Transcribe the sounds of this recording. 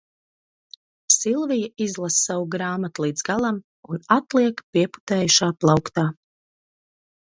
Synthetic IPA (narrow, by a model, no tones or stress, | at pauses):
silˠvijaizlˠassawuɡɾaːmat̪ulˠiːd̪zɡalˠam | unat̪lˠiɛkpiɛpu̥t̪ɛːjuʃaːplˠawkt̪aː